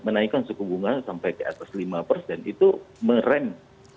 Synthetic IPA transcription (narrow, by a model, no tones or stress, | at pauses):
mənaikansukuɡuŋansampajkəa̰t̪aslimapərsdanit̪uməɾɛm